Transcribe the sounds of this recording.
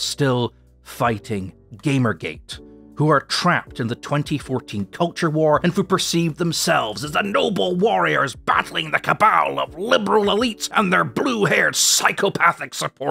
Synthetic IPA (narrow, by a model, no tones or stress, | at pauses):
stɪlˠ | faɪɾɪ̃ŋ | ɡẽɪ̃mə˞ɡeɪthuə˞tʰɹ̥æp̚tɨ̃nðɨtʰw̥ɛ̃ntʰifɔɹtʰĩnkʰʌlˠt͡ʃə˞wɔɹɨ̃nhupʰə˞sivðə̃m̩sɛlˠvzəzðənoʊbl̩ˠwɔɹiə̰˞zbæ̰ɾl̩ˠɪ̃ŋðɨkʰəbaʊlˠʌ̰vlɪbə˞l̩ˠəlitsʔə̃nðə˞bluɦɛɹd̥saɪkʰopʰæθɨksɨpʰɔɹ